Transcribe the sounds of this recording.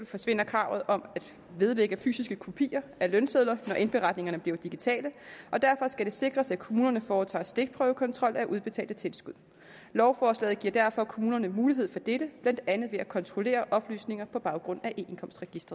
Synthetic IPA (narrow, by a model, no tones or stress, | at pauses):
lfɒ̽sʋe̝n̰ɐkʰʁɑ̈ʊ̰ð̞̩ˠɒ̽mæd̥ | ʋe̝ðˠleɡ̥əfy̰ːsisɡ̥əkʰopʰḭːɐʔælœnseðˠlɐnɒʔe̝nb̥e̝ʁɑ̈d̥ne̝ŋɐnəb̥liɐd̥iɡ̥it͡sʰɛ̰ːləʔɒ̽d̥æɐfɒ̽sɡ̥æɾ̥e̝se̝ɡ̥ʁɐsækʰo̝muːnɐnəfɒːt͡sʰɑ̰̈ːsd̥e̝ɡ̥̚pʰʁœːʊəkʰɒ̽nt͡sʰʁɒ̽l̰æʔuð̞ˠb̥e̝t͡sʰɛ̰ːld̥ət͡sʰe̝lsɡ̥uðˠ | lɒʊfɒːslɛ̰ːð̩ˠɡiɐ̰d̥æɐfɒ̽kʰo̝muːnɐnəmuːliɦe̝̰fɒ̽d̥eɾ̥əb̥læn̰d̥ænð̞̩ˠʋe̝ækʰɒ̽nt͡sʰʁo̝le̝̰ːɐʔɒ̽b̥ly̰ːsne̝ŋɐpʰɒ̽b̥ɑ̈ʊɡ̥ʁɔ̽n̰æʔenkʰɒ̽msd̥ʁɛɡ̥isd̥ʁɐð̩ˠ